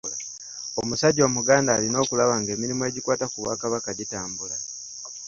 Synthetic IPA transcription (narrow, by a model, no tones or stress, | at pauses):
la | o̞musaɟo̞ːmuɡaːndaːlino̞ːkulaβaːŋɡe̞ːmiɾimueɟikwaːtakuβa̰ːkaβakaɟitaːmbula